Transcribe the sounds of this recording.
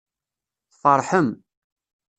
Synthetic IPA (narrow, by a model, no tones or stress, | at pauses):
θfɑɾˤħəm